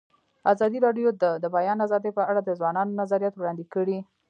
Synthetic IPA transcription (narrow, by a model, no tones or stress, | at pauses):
azɑd̪iɾɑɖjod̪əd̪əbajɑnazɑd̪əjpəaɽad̪əzwɑnɑnonazaɾijat̪wɽɑnd̪ikəɽi